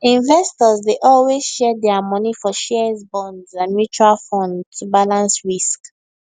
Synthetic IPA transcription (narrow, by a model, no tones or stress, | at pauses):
ĩnvɛstɔzdeʔɔlwezʃɛdɛamɔnifɔʃɛɹzbɔ̃ndzãnmjut͡ʃualfɔ̃ndtubalãnsɹisk